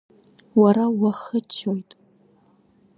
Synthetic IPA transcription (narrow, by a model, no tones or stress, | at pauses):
waɾawaχət͡ʃʰːojtʼ